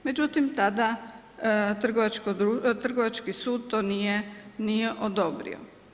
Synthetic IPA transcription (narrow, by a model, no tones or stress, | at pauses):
me̞d͡ʑut̪imt̪ad̪a | t̪r̩ɡoʋat͡ʃkod̪ut̪r̩ɡoʋat͡ʃkisuːd̪̚t̪oːnijenijeʔod̪o̞bɾḭo̰